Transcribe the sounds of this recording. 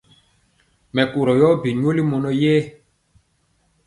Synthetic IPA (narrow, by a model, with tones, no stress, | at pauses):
mɛ˨ku˨ɾɔ˨jɔ˦bi˨ɲ˦o˦li˦mɔ˨nɔ˦jɛː˦